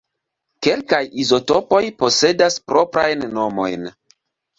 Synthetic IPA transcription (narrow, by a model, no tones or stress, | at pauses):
ke̞lkajizo̞to̞po̞jpo̞se̞daspɾo̞pɾajnːo̞mo̞̰jn